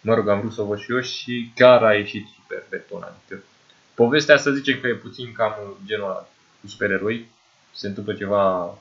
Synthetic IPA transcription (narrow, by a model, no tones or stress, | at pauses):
məɾoɡamvɾut̪sovət͡ʃijo̞ʃʲʃikʲaɾaje̞ʃit̪su̥pḛrpet̪ona̰nkə | po̞ve̞st̪east̪əzʲzit͡ʃe̞mkəjeput̪sinkamd͡ʒe̞nua | kusupe̞ɾe̞ɾo̞j | se̞nt̪ɨmplət͡ʃe̞va